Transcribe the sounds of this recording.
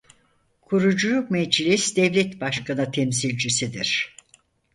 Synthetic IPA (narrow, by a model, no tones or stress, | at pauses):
kʰuɾud͡ʒulˠukmed͡ʒlʲisd̪ɛvlʲɛt̪baʃkanɯt̪ʰemsilʲd͡ʒisid̪iɾ̥